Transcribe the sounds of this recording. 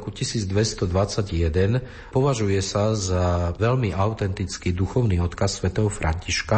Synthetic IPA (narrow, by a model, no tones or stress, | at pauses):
kucisiːd͡zd̪ʋɛst̪ɔd̪ʋat͡saɟjɛd̪ɛn | pɔʋaʒujɛsazaʋɛʎmiʔaʊt̪ɛnt̪it͡skiːd̪uxɔʊniːɔt̪kasːʋɛt̪ɛɦɔfɾʔa̰ɲciʃka